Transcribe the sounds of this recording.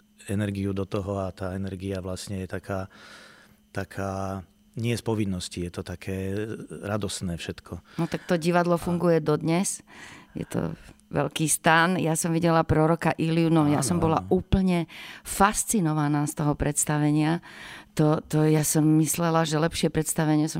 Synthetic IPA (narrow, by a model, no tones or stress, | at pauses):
ɛnɛɾɡiud̪ɔt̪ɔɦɔat̪aːɛnɛɾɡiaʋlasɲɛjɛt̪akʰaː | t̪akʰaː | ɲɪɛspɔʋinːɔscijɛt̪ɔt̪akʰɛːɾad̪ɔst̪nɛːfʃɛt̪kʰɔnɔt̪ak̚t̪ɔɟiʋad̪lɔfuŋɡujɛd̪ɔd̪ɲɛsjɛ̰t̪ɔ̰ʋɛ̰lkiːst̪anjasɔmʋiɟɛlapɾɔɾɔkaʔilɪunɔmjasɔmbɔla̰uːpl̩ɲɛfast͡sinɔʋanaːst̪ɔɦɔpɾɛt̪st̪aʋɛɲɪat̪ɔt̪ɔjasɔmːislɛlaʒɛlɛpʃɪɛpɾɛt̪st̪aʋɛɲɪɛsɔ